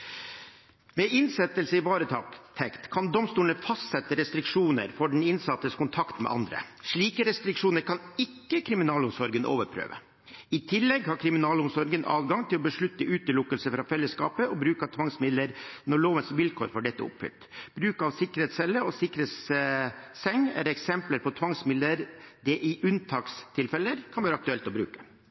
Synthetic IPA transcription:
mɛʔɪnsɛt̪əlsəɪʋɑːɾət̪ʰɑ̰ːkt̪ʰɛkt̪kʰɑnd̪ɔmst̪uːlnəfɑst̪sɛt̪ːəɾɛst̪ɾɪkʂuːnə̰ɾfɔɖɳ̩ɪnsɑt̪ːəskʊnt̪ʰɑkt̪mɛ̰ʔɑ̰nd̪ɾə̰ʂɭiːkəɾɛst̪ɾɪkʂuːnəɾkʰɑnɪkːəkʰɾɪmɪnɑːlʊmsɔɾɡənʔo̰ːʋəɾpʰɾø̰ːʋə̰ | ɪt̪ʰɪlːɛɡhɑɾkʰɾɪmɪnɑːlʊmsɔɾɡənʔɑ̰ːʋɡɑŋt̪ʰɪlɔbəʂɭʉt̪ːəʔʉːt̪əlʊkːəlsəfɾɑfɛlːəskɑːpəɔbɾʉːkɑt̪ʰʋɑŋsmɪd̪əɾnɔɭoːʋənsʋɪlkʰo̰ːɾfɔɖɛt̪ːə̰ʊ̰pfʏ̰lt̪b̥ɾʉːkɑʋsɪkːəɾɛːt̪sɛlːəɔsɪkəɾet̪sː | ɛŋːæ̰ɾɛksɛmpləɾpʰɔt̪ʰʋɑŋsmɪd̪əɾd̪ɛʔɪʔʉnt̪ʰɑːkst̪ʰɪlfɛlːəɾkʰɑnʋæːɾɑkt̪ʉɛlt̪ɔbɾʉ̰ːkə̥

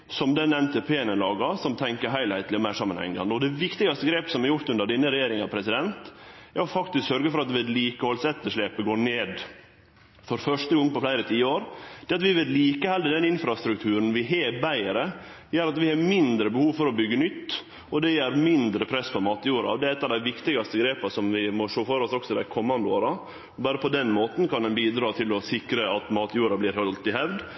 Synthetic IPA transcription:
sɔmd̪ɛnɛnt̪ʰɛpʰeːnəlɑːɡɑsɔmt̪ʰɛŋkəɦæɪlhæɪt̪lɪɔmæɪʂɑmːənhɛ̰ŋːɑ̰nd̪ɔd̪ɛʋɪkt̪ɪɡɑst̪əɡɾeːpəsɔmæɾjʊɾt̪ʉnd̪əɖɪnːəɾɛjeːɾɪŋɑpʰɾɛsɪd̪ɛnt̪æfɑkt̪ɪsksœɾɡəfɔɾɑt̪ʋɛd̪liːkəhɔlsɛt̪ːəʂɭeːpəɡoːɳeːd̪ | fɔɾfœʂtəɡɔŋːpɔflæɪɾət̪ʰiːəoːɾd̪̥ɛɑt̪ʋɪʋɛd̪liːkəhɛld̪əd̪ɛnɪnfɾɑst̪ɾʉk̚t̪ʰʉːɾən̩ʋɪɦeːbæɪəɾə | jæɾɑt̪ʋɪhɑːmɪnd̪ɾəbəhuːʋfɔɾɔbʏɡːənʏt̪ː | ɔd̪ɛjæɾmɪnd̪ɾəpʰɾɛsːpɔmɑːt̪juːɾɑ̰ɔd̪ɛæɾɛt̪ːɑʋd̪æɪʋɪkt̪ɪɡɑst̪əɡɾeːpɑsɔmʋɪmɔʂoːfɔɾɔsɔksɔtɪd̪æɪkʰɔmːɑnd̪əoːɾɑ | ɔbɑːɾəpʰɔd̪ɛnmoːt̪nkʰɑnd̪ɛnbiːd̪ɾɑːt̪ʰɪlɔsɪkɾəɑt̪mɑːt̪juːɾɑblɪːɾhɔlt̪ɪhɛʋd̪

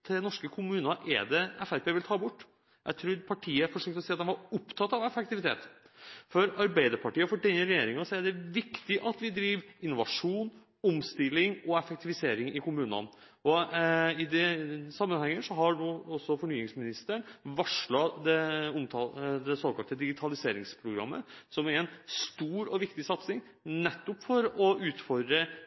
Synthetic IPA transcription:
t̪ʰɪnɔʂkəkʰʊmʉːnɑʔɛ̰ɖɛɛfæɾpeːʋɪlt̪ʰɑːbʊʈː | jʔæ̰ɪt̪ʰɾuːɾpʰɑʈʰiːəfɔʂøːkt̪ɔsiːɑt̪̚hɛnʋɑɾʊpt̪ʰɑt̪ːɑʋɛfɛk̚t̪ɪʋɪt̪ʰḛːt̪ | fɔɾɑɾbæɪd̪əɾpʰɑʈiːɑfɔɖɛnəɾɛjeːɾɪŋɑsɔæɖɛʋɪkt̪ɪʔɑt̪ʋɪd̪ɾiːʋɪnːʊʋɑ̰ʂuːn | ɔmst̪ɪlːɪŋɔɛfɛk̚t̪ɪʋɪseːɾɪŋɪkʊmʉːnɑ̰n | ɔɪd̪ɛsɑmːənhɛŋːəʂɔɦɑnuːɔsːɔfɔɳyːɪŋsmɪnɪst̪əɳʋɑʂlɑd̪ɛʊmt̪ʰɑd̪ɛsoːkɑlt̪əd̪ɪɡɪt̪ʰɑlɪseːɾɪŋspʰɾʊɡɾɑ̰mːə̰sɔmæɾɛnst̪uːɾɔʋɪkt̪ɪsɑt̪snɪŋ | nɛt̪ːɔpfɔɾɔʉːt̪fɔɾɖɾə

